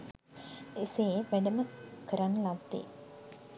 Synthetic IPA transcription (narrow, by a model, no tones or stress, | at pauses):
eseːʋæɖəməkəɾanːəlad̪ːḛː